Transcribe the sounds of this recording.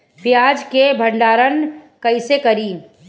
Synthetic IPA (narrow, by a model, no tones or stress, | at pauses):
pjaːd͡ʒkebʱəɳɖaːɾənkɐɪsekɐɾiː